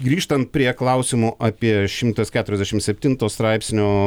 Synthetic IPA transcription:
ɡɾʲiːʃt̪ɐnt̪̚pʲɾʲiɛklˠɐˑʊsʲɪmoːʔɑpʲiɛʃʲɪmt̪ɐskʲæːt̪ʊɾʲɛzd̪ʲɛʃʲɪmsʲɛpʲt̪ʲɪnt̪oːst̪ɾɑɪpʲsʲnʲoː

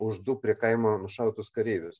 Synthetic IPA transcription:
ʊʒd̪ʊpʲɾʲiɛkɐɪmoːnʊʃɐʊt̪ʊskɐɾʲiːʋʲʊs

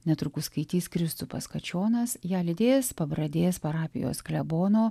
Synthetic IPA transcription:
nʲɛt̪ɾʊkʊskɐɪt̪ʲiːskɾʲɪst̪ʊpɐ̰skɐt͡ʃʲoːnɐsjæːlʲɪd̪ʲeːspɐbɾɐd̪ʲeːspɐɾɑːpʲɪ̰jo̰ːsklʲɛboːnoː

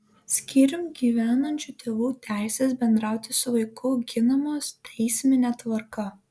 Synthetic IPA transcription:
sʲkʲɪɾʲʊmɡʲiːʋʲæːnɐnʲt͡ʃʲut̪ʲeːʋuːt̪ʲæˑɪsʲeːsbʲɛnd̪ɾɑˑʊt̪ʲɪsʊʋɐɪkʰʊɡʲɪnɐmoːst̪ʲʰɛɪsʲmʲɪnʲɛt̪ʋɐɾkɐ

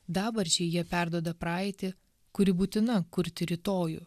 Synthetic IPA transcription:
d̪ɑːbɐɾʲt͡ʃʲɛjiɛpʲæɾd̪uɔd̪ɐpɾɑːɪt̪ʲɪ | kʊɾʲɪbuːt̪ʲɪnɐkʊɾʲt̪ʲɪɾʲɪt̪oːjṵː

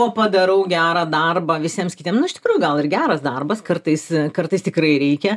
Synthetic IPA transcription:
oːpɐd̪ɐɾɐʊɡʲæːɾɐːd̪ɐrbɐːʋʲɪsʲiɛmskʲɪːt̪ʲiɛmsnʊɪʃt̪ʲɪkɾuːjʊɡɐlˠɪrɡʲæːɾɐsd̪ɐrbɐskɐrt̪ɐɪskɐrt̪ɐɪst̪ʲɪkɾɐɪɾʲɛɪkʲɛ

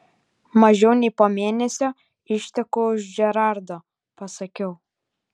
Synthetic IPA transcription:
mɐʒʲɛʊnʲɛɪpoːmʲeɛnʲɛsʲo | ɪʃʲt̪ʲɛkoʊʒʒʲɛɾɑˑɾd̪oː | pɐsɐkʲɛʊ

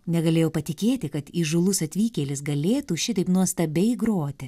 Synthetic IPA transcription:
nʲɛɡɐlʲeːjɛʊpɐt̪ʲɪkʲeːt̪ʲɪkɐt̪iʒʊlˠʊsɐt̪ʲʋʲiːkʲeːlʲɪsɡɐlʲeːt̪uːʃʲɪt̪ɐɪpnuɔst̪ɐbʲɛɪɡɾoːt̪ʲɪ

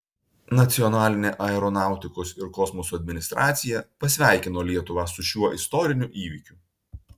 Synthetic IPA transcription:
nɐt̪sʲɪɔnɑːlʲɪnʲeːʔɐɛɾɔnɑˑʊt̪ʲɪkosɪɾkɔsmɔsuɐd̪ʲmʲɪnʲɪst̪ɾʔɑːt̪sʲɪjɛpɐsʲʋʲæˑɪkʲɪnoːlʲiɛt̪ʊʋɑːsʊʃʲuɔʔɪst̪ɔɾʲɪnʲuʔiːʋʲikʲʊ

